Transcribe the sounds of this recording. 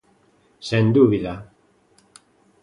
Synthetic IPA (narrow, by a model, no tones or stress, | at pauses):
send̪uβila